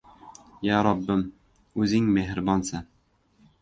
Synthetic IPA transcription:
jæɾɑbːɘm | ʉzɪŋmeɦɘɾbɑnsɤ

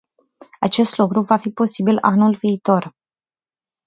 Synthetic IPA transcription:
at͡ʃe̞st̪lukɾuvafipo̞sibilanulviːt̪o̞r

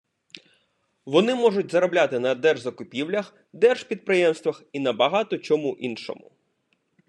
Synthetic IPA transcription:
ʋɔnɪmɔʐʊt̚ʲzɐɾɔblʲat̪ɪnɐd̪ɛrʒzɐkʊpʲiwlʲɐx | d̪ɛrʒ̥pʲid̪̚pɾɪjɛmst̪ʋɐxinɐbɐɦɑt̪ɔt͡ʃɔmuʔinʃɔ̰mʊ̰

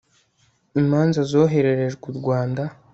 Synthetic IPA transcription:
imaːnzazo̞ːɦe̞ɾe̞ɾe̞ʒɡuɾɡwaːnda

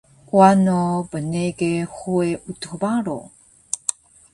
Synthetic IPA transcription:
kwanobəneɡeχueʔutubaɾo̰

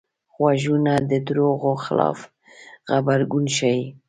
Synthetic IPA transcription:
ɣwaʒunad̪əd̪ɾoɣoxɪlɑ̰f | xabaɾɡunʃai

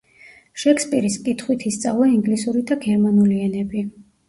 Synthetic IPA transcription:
ʃɛkʰspʼiɾiskʼit̪ʰχwit̪ʰist̪sʼavlˠaiŋɡlisuɾid̪aɡɛɾmanuliɛnɛbi

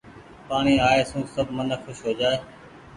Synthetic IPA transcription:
paːɳiːaːeːsũːsəbʱmənəxʰʊʃɦoːd͡ʒaːeː

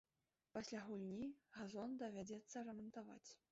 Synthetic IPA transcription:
pasʲlʲaɣulʲnʲiɣazɔnd̪ɐvʲad͡zʲɛt̪sːɐrɛmɐnt̪ava̰t͡sʲ

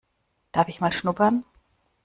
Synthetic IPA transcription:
d̥aɐfɪçmaːlʃnʊpɐn

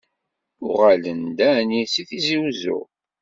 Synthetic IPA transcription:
ʊʁælənd̪ænisiθiziwzṵ

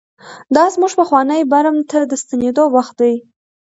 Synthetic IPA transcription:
d̪ɑzmuʐpəxwɑnəjbaɾamt̪ad̪əst̪aned̪owaxt̪̚d̪aj

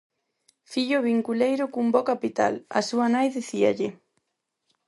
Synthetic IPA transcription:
fiʎʊβiŋkulejɾʊkumbɔkapit̪a̰la̰suanajðiθia̰ʎɪ

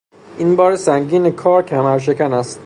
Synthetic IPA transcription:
ʔinbɒːɾesæŋɟiːnekʰɒːɾcʰæmæɾʃ̬e̞cʰænæst̪

